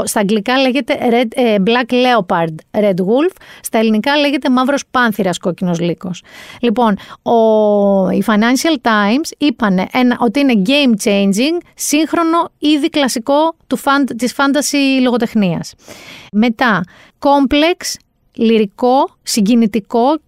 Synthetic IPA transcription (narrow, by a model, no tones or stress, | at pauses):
st̪ɐɡlikɐleʝe̞t̪e̞ɾeblɐkle̞opɐɾd̪ɾe̞d̪ɣulfst̪ɐe̞linikɐle̞ʝe̞t̪e̞mɐvɾo̞spɐnθiɾɐsko̞cino̞zliko̞slipo̞no | ḭfɐjnɐnʃiɐlt̪ɐjmsipɐne̞ʔe̞nɐʔo̞t̪iine̞ɟe̞jmt͡ʃe̞jnd͡ʒiŋsiŋxɾo̞no̞iðiklɐsiko̞t̪ufɐnd̪t̪isfɐnd̪ɐsilo̞ɣo̞t̪e̞xniɐ̰sme̞t̪ɐ | ko̞mple̞ks | liɾiko̞siɲɟinit̪iko̞